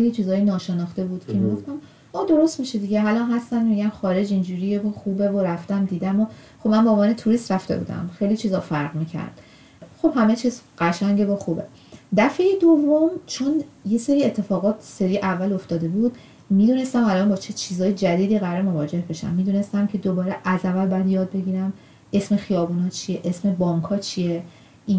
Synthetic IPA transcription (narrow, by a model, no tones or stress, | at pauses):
elit͡ʃʰiːzɒːjenɒːʃenɒːxt̪e̞buːd̪̥cʰe̞miːɡo̞ft̪æm | ɒːd̪o̞ɾo̞st̪miʃed̪iɟeɦælɒːnɦæst̪ænmiɟænxɒːɾe̞d͡ʒind͡ʒuːɾijevoxuːbevoɾæft̪æmd̪iːd̪æmo | xobmænboːvɒːnet̪ʰuɾist̪ɾæft̪e̞̰bṵːd̪æ̰mχxejlit͡ʃʰiːzɒfæɾʁmicʰæ̰ɾd̪̥ | xo̞b̥hæmet͡ʃʰiːzɢæʃæŋɟevoxuːbe̞̰ | d̪æfe̞jed̪ovːomt͡ʃʰonje̞se̞ɾiːet̪ʰːe̞fɒːɣɒːt̪ʰse̞ɾiʔævːælo̞ft̪ɒːd̪e̞buːd̪̥ | miːd̪uːne̞st̪æmælɒnbɒːt͡ʃʰet͡ʃʰiːzɒːjed͡ʒæd̪iːd̪iːɣæɾɾmo̞vɒːd͡ʒe̞hbe̞ʃæ̰mːiːd̪uːne̞st̪æmcʰe̞d̪obɒːɾeʔæzævælbæjd̪jɒːd̪̚be̞ɟiːɾæm | e̞sme̞xijɒːbuːnɒːt͡ʃʰijeʔesme̞bɒːŋkʰɒːt͡ʃʰije | i